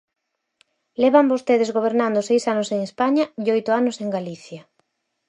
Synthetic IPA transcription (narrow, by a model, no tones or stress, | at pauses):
lɛβambost̪eðɪzɣoβ̞eɾnãnd̪ʊsejsanʊseŋespaɲaiojt̪ʊanʊseŋɡaliθjɐ